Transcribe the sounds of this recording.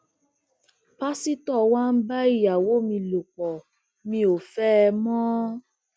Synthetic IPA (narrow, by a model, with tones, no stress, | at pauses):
pa˦si˦tɔ˦˨wã˦n̩˦ba˦i˦˨ja˨wo˨˦mĩ˧lo˨k͡pɔ˨ | mĩ˧o˨fɛ˦˧mɔ̃˦